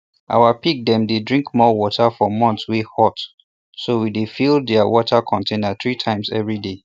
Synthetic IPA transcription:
ʔa̰wapik̚dɛ̃mdedɹĩŋkmɔwɔtʰafɔmɔ̃ntswihɔt | sowidefilˠdɛawɔtʰakʰɔ̃ntʰẽnaθɹitʰãɪ̃msɛ̰vɹide

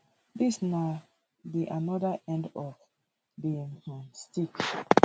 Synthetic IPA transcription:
ðisna | biʔanɔðəʔɛ̃ndɔv | biĩŋmãnstik

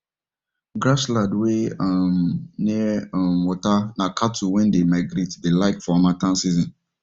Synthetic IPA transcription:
ɡɾasladweamnimwɔtanakʰatʰuwɛ̃ndemaɡɾetdelaɪkfɔmatʰãnsizɔ̃n

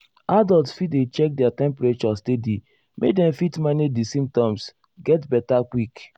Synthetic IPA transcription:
adɔltsfit̚det͡ʃɛk̚dɛatɛ̃mpɾet͡ʃɔstedi | mʔḛk̚dɛ̃mfitmanidisĩm̚tɔ̃ms | ɡɛtbɛtakwik

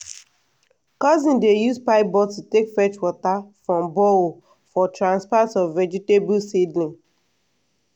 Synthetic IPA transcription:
kɔzĩndejuspaɪbɔtutekfɛt͡ʃwɔtafɹɔ̃mbɔo | fɔtʰɹãnspatsɔvɛd͡ʒitebulsidnĩŋ

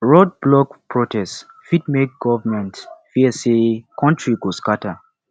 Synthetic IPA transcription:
ɹɔd̚blɔkpʰɹotʰɛst | fitmek̚ɡɔvəmɛ̃ntfiəsekʰɔ̃ntɹikuskatə

